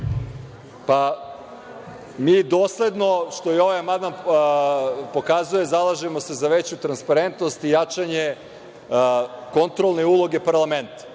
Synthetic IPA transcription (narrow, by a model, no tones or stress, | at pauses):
pa | miːd̪oːsle̞d̪no̞ʃt̪ojeo̞ʋajamand̪an | po̞kazuje̞zalˠaʒemo̞se̞zaʋe̞t͡ɕut̪ɾanspaɾent̪no̞st̪ijat͡ʂaɲe | ko̞nt̪ɾolˠne̞ulˠo̞ɡe̞paɾlˠame̞nt̪ḁ